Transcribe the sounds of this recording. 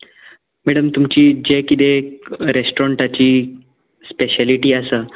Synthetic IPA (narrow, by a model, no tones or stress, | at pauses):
mɛɽəmt̪umt͡ɕiːd͡ʑekit̪eɾesʈoɾəɳʈat͡ɕiː | speɕaliʈiːəsəː